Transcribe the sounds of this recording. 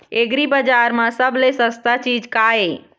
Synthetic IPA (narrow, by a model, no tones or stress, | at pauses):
eɡɾibəd͡ʒaɾmãsəblesəst̪at͡ʃid͡ʒkae